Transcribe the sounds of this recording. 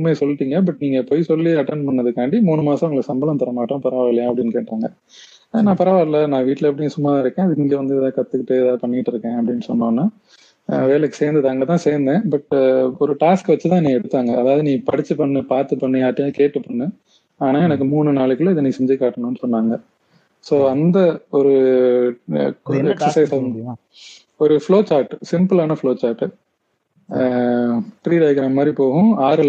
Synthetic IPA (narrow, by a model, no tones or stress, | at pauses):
mːeːsɔlːɪʈːiːŋɡɐbɐʈniːŋɡɐpːoːjsɔlːiɐʈːɐɳɖpɐɳːɐðɯkaːɳɖimuːɳɯmaːsɐ̃ʊŋɡɭksɐmbɐlɐ̃mt̪ɐɾɐmaːʈːõpɐɾaːʋaɾɐljaːɐpːɐɽɪnːɯkeːʈːaːŋɡɐ | nãːpɐɾaːʋaɾlɐnãːʋiːʈːɪlɐɐpːɐɽɪŋːɐsʊmːɐt̪ãːɪɾɯkːẽːɐðɯiŋɡeʋɐnd̪ɯt̪ãːkɐt̪ːɯkːɪʈːɯɛðaːðɯpɐɳːɪkɪʈːɪɾɯkːẽːɐpːɐɽɪnːɯsɔnːoːnːaː | ʋeːlɛkːɯ̥seːɾnd̪ɯðaːŋɡɐt̪ãːseːɾnd̪ẽːbɐʈɔɾɯʈaːskʋɐt͡ʃːɯt̪ãːniːɛɽɯt̪ːaːŋɡɐːðaːʋɐðɯnĩːpɐɽɪt͡ʃːɯpɐɳːɯpaːɾt̪ɯpːɐɳːɯjaːʈːɯkeːʈːɯpːɐɳːɯ | aːnãːɛnɐkːɯmuːɳɯnaːɭɯkːɯɭɪðɯnĩːsɛɲd͡ʒɪkːaːʈːɐnʊ̃nːɯsɔnːaːŋɡɐ | soːɐnd̪ɐɔɾɯ | ɛksɐsɐɪsɐ | ɔɾɯfɭoːt͡ʃaːɾʈːsɪmpɯlaːnɐfɭoːt͡ʃaːɾʈːɯ | ʈɾiːɖɐɪɡɾaːmmaːd̪ɾipoːɣʊ̃aːɾɯl